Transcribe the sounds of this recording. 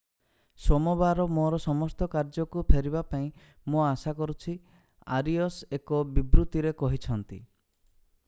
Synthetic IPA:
sɔmɔbaɾɔmoɾɔsɔmɔst̪ɔkaɾd͡ʒɔkupʰeɾibapaĩ | moasakɔɾut͡ʃʰi | a̰ɾiɔsekɔbibɾut̪iɾekɔɦit͡ʃʰɔnt̪ḭ

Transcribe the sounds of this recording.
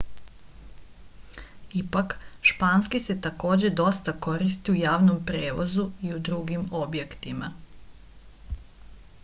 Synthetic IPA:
ipakʃpaːnskise̞t̪ako̞ːd͡ʑe̞d̪o̞st̪ako̞ɾist̪iujaːʋno̞mpɾeːʋozuiud̪ɾuɡimo̞bje̞kt̪ima

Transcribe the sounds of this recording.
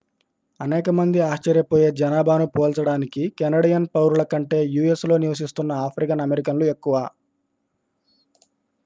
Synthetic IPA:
ɐnɛːkɐmɐnd̪iaːʃt͡ʃɐɾjɐpoːje̞ːd͡ʒɐnaːbʱaːnupoːlt͡ʃɐɽaːnikikɛnɐɽijɐnpɐwɾulɐkɐɳʈe̞ːjuːe̞slo̞ːniʋɐs̬ist̪unːɐaːpʰɾikɐnɐmeɾikɐnlue̞kːuʋaː

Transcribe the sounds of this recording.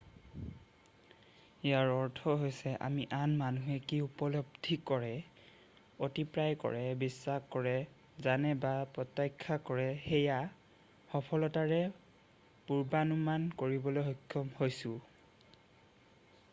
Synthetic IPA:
ijaɹɔɹtʰɔɦojsɛʔa̰miʔanmanuɦɛkiupɔlɔbdʱikɔɹɛ | otipɹajkɔ̰ɹɛbisːaxkɔɹɛ | zanɛbapɹɔtːajkʰːakɔɹɛxɛja | xɔpʰɔlɔtaɹɛ | puɹbanumankoɹibɔlojɦokʰːjɔmhojsʊ̃

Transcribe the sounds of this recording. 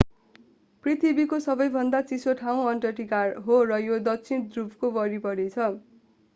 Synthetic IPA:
prit̪ʰibikosʌbʌjbʱʌnd̪at͡sisoʈʰaw̃ʌnʈʌʈikarɦorʌjod̪ʌkt͡sʰind̪rubkobʌɾipʌɾet͡sʰʌ

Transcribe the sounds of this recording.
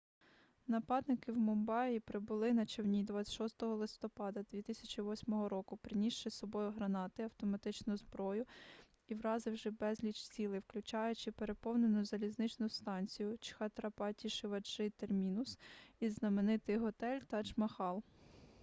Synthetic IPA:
nɐpɑd̪nɪkɪwmɔmbɑjʲipɾɪbʊlˠɪnɐt͡ʃewnʲid̪ʋɑt͡sʲʃɔst̪ɔɦɔlˠɪst̪ɔpɑd̪ɐd̪ʲʋʲit̪ɪsʲɐt͡ʃiʋɔsʲmɔɦɔɾɔkʊpɾɪnʲiʃt͡ʃɪsɔbɔjʊɦɾɐnɑt̪ɪɐwt̪ɔmɐt̪ɪt͡ʃnʊzbɾɔjʊ | iwɾɑzɪwʒɛbɛzʲlʲit͡ʃsʲilˠɪwklʲʊt͡ʃɑjʊt͡ʃɪpeɾepɔwnenʊzɐlʲiznɪt͡ʃnʊst̪ɑnʲt͡sʲijʊt͡ʃxɐt̪ɾɐpɑtʲiʃɪʋɐt͡ʃɪt̪ermʲinʊsiznɐmenɪt̪ɪjɦɔt̪ɛlʲt̪ɐt͡ʃmɐxɑlˠ

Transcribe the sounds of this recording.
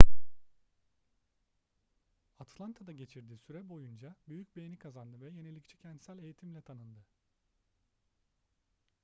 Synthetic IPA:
at̪ʰlˠant̪ʰad̪aɟe̞t͡ʃʰiɾd̪iːsyɾɛbo̞jund͡ʒabyjyc̚be̞jnikʰazand̪ɯvɛje̞nelʲict͡ʃʰɛ̥cʰɛnd̪sælʲe̞jit̪ʰimlʲɛt̪ʰanɯnd̪ɯ

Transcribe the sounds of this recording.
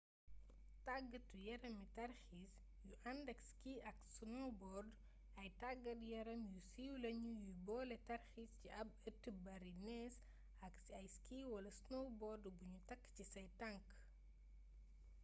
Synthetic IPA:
taɡɐtːujɛɾɐmitɐrxis | juʔɐndɐkskiɐksnɔbɔrd | ɐjtaɡːɐtjɛɾɐmjusiwlɐɲujubɔːlɛtɐrxisciʔɐbɐtːəbɐɾinɛːs | ɐk | ɐjskiːwɐlɐsnɔwbɔrdbuɲutɐkːcisɐjtɐŋk

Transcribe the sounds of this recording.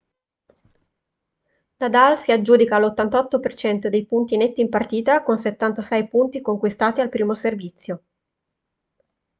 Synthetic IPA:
nad̪alsiad͡ʒːuːd̪ikaːlot̪ːant̪ɔt̪ːopert͡ʃɛnt̪od̪ejpunt̪inet̪ːiːmpart̪iːt̪akonset̪ːant̪asɛjpunt̪ikoŋkwist̪aːt̪ialpɾiːmoservit̪sːjo

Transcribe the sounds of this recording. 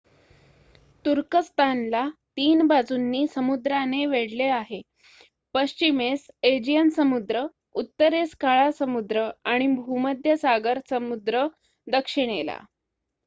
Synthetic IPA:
t̪uɾkəst̪ʰanlat̪iːnbad͡zunːiːsəmud̪ɾaneʋeɽleaɦe | pəɕt͡ɕimesed͡ʑijənsəmud̪ɾə | ut̪ːəɾeskaɭasəmud̪ɾəaɽ̃ibʱuməd̪ʱjəsaɡəɾsəmud̪ɾə | d̪əkʂiɳela̰

